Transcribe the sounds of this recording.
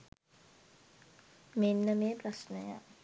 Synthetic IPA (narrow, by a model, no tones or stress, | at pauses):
menːəmeːprasnəja̰